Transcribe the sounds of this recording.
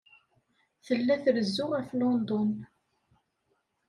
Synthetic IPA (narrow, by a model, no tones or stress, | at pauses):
θəlːæθəɾəzːʊʁæflond̪ɔn